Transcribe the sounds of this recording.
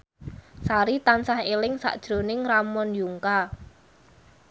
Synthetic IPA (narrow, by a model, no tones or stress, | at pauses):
saɾit̪ansahelɪŋsa̰ʔd̥ʒ̥ɾonɪŋramɔnjuŋka